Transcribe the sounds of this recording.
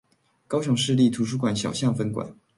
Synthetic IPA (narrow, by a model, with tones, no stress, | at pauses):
kɑ˥ʊɕjʊ˨˧˥ŋʂɻ̩˥˧li˥˩t̪ʰu˧˥ʂ̬u˥kwa˨˩˦nɕjɑ˨˩ʊɕjɑ˥˩ŋfə˧˥nkwa̰˨˩˦n